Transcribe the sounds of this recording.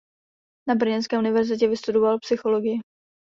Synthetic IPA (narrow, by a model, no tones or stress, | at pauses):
nabr̩ɲɛnskɛːʔunɪvɛɾzɪc̬ɛvɪst̪udovalpsɪxo̞loɡɪjɪ